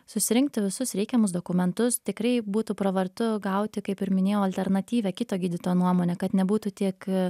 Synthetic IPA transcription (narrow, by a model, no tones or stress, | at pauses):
sʊsʲɪɾʲɪŋk̚t̪ʲɪʋʲɪsʊsɾʲɛɪkʲɛmʊs̬d̪oːkʊmʲɛnt̪ʊst̪ʲɪkɾɐɪbuːt̪uːpɾɐʋɐɾt̪ʊɡɐʊt̪ʲɪkɐɪpɪɾmʲɪnʲeːjɛʊɐlʲt̪ʲɛɾnɐt̪ʲiːʋʲɛːkʲɪt̪oːɡʲiːd̪ʲɪt̪oːjonuɔmoːnʲɛkɐt̪nʲɛbuːt̪uːt̪ʲiɛk